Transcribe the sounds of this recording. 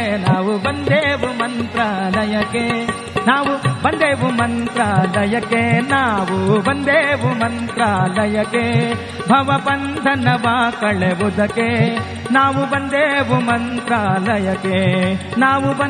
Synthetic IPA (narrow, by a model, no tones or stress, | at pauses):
naːʋubɐnd̪eːʋumɐnt̪ɾalɐjɐkːe | naːʋubɐnd̪eːʋumɐnt̪ɾalɐjɐkːenaːʋubɐnd̪eːʋumɐnt̪ɾalɐjɐkːe | bʱɐʋɐbɐnd̪ʱɐnɐʋakɐɭeʋud̪ɐkːe | naːʋubɐnd̪eːʋumɐnt̪ɾalɐjɐkːenaːʋubɐ